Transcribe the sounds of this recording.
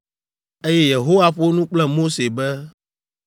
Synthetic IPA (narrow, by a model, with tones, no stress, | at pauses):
e˦jɛ˦je˨ɦo˦wa˦ɸo˦nũ˦k͡plɛ˦mo˦se˨bɛ˦